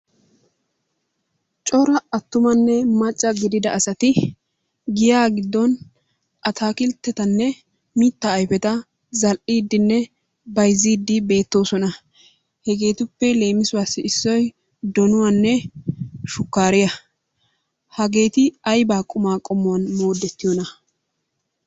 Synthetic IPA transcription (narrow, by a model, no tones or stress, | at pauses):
t͡ʃʼɔɾɐɐt̪ːʊmɐnːɛmɐt͡ʃʼːɐɡɪd̪ɪd̪ɐʔɐsɐt̪ɪ | ɡɪjaːɡɪd̪ːɔn | ʔɐt̪ʰaːkɪlt̪ːɛt̪ɐnːɛ | miːt̪ːɐːjfɛt̪ɐ | zɐlʔiːd̪ːɪnːɛ | bɐjziːd̪ːɪbe̞ːt̪ːo̞ːsɔnɐ | hɛɡe̞ːt̪ʊpːɛle̞ːmɪsʊwaːsːɪːsːɔj | d̪ɔnʊwanːɛ | ʃʊkːaːɾɪjɐ | hɐɡe̞ːt̪ɪɐjbaːkʼʊmaːkʼɔmːʊwɐnmo̞ːd̪ːɛt̪ːɪjɔnɐ